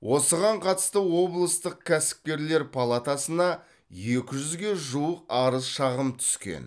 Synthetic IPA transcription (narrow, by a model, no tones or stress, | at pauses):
wʔo̞səʁɑɴqʰɑt̪ə̥st̪əwo̞blˠəst̪əq̚kʲʰæsɪ̥p̚kʲe̞ɾle̞ɾpʰalˠat̪asənɑ | je̞kʲɪʒʏzɡʲe̞ʒuəq̚ɑɾəzʃɑʁəmt̪ʰʏ̥skʲe̞̰n